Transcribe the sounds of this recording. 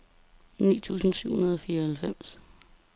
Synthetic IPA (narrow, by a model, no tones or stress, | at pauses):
nḭːt͡sʰṵːsn̩syʊ̰hunɐðˠɒ̽fiːɐhælfem̰s